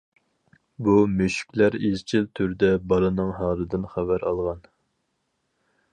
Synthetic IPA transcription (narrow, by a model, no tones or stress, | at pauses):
bumøʃy̥kʲlæɾezt͡ʃʰilt̪ʰyɾd̪ɛbɑlˠɨnɨŋɦɑːɾɨd̪ɨnχævæɾɑlˠʁɑn